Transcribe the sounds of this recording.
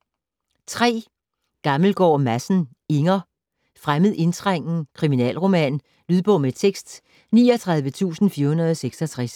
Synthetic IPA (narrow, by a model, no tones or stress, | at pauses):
t͡sʰʁɛ̰ː | ɡ̥ɑ̈ml̩ɡ̥ɒ̰ːmæsn̩ | eŋɐ | fʁaməð̩ˠʔe̝nt͡sʰʁaŋ̰n̩kʰʁiminɛ̰ːlʁo̝mɛ̰ːn | lyð̞ˠb̥ɔ̽ʊmet͡sʰeɡ̥sd̥ | nḭːɒt͡sʰʁɑ̈ðˠʋət͡sʰṵːsn̩fiɐhunɐð̞ˠɒ̽seɡ̥sɒt͡sʰʁas